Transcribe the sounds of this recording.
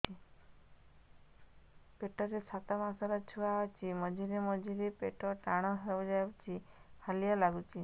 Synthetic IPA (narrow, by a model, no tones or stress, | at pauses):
peʈɔɾesʰat̪ɔmasɔɾɔt͡ʃʰuaɦɔt͡ʃʰimɔd͡ʒʱiɾemɔd͡ʒʱiɾepeʈɔʈaɽ̃ɔɦeɾɔbɔd͡ʒajpt͡ʃʰihalijalaɡut͡ʃʰi